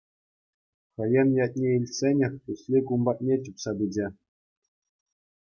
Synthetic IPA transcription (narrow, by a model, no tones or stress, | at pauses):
χʲɤ̆jɘ̆njɑt̚ʲnʲeilʲsʲenʲɘ̆xʲt̪uslʲikumbɑt̪̚ʲnʲet͡ɕupsɑbʲid͡ʑʲĕ